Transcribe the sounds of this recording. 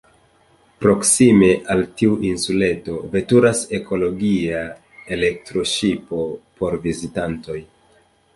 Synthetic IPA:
pɾo̞ksime̞ʔaltiuʔinsule̞to̞ve̞tuɾase̞kʰo̞lo̞ɡia | e̞le̞k̚tɾo̞ʃipo̞po̞ɾvizitanto̞j

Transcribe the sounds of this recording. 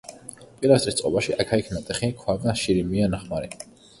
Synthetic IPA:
pʼiɾast̪ʼɾist̪sʼqʼɔbaʃiʔakʰaikʰnat̪ʼɛχikʰwaɡaʃiɾimianaχmaɾi

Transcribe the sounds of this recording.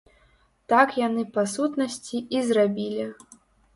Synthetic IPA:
t̪akjanɨpasut̪nɐsʲt͡sʲiizrabʲilʲi

